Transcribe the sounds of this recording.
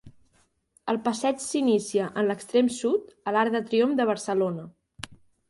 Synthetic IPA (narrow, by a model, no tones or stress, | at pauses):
əlˠpəsɛt͡ʃsinisiəʔənləkst̪ɾemsut̪əlaɾðət̪ɾiomd̪əβ̞əɾsəlonə